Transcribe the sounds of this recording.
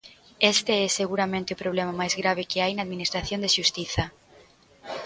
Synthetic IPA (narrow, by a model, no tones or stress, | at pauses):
ɛst̪eɛseɣuɾamẽnt̪ɪʊpɾoβ̞lɛmamajzɣɾaβ̞ɪkeajnaːðminist̪ɾaθjond̪eʃust̪iθɐ